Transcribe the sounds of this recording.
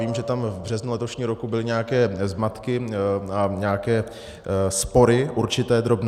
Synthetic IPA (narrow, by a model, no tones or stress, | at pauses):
iːmʒɛt̪amvbr̝̥ɛznulɛt̪o̞ʃɲiːɾo̞kubɪlɪɲɛakɛːzmat̪kɪaɲɛakɛː | spo̞ɾɪʔuɾt͡ʃɪt̪ɛːd̪ɾo̞bn